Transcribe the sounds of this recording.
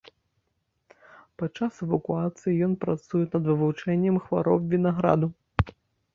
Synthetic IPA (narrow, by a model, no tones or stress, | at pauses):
pat͡ʂːasɛvɐkuat̪sɨjijɔnpɾat̪sujɛnɐd̪vɨvut͡ʂɛnʲːɛmxva̰ɾɔwbvʲinaɣɾa̰d̪u